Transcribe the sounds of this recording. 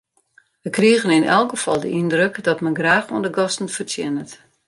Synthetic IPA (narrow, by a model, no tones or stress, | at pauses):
ʋəkriəɣənɪnɛ̰lˠkəfɔlˠdə̰ʔindrøkdɔtmɛnɡraːxuəndəɡɔstən̩fərtʰjɛnət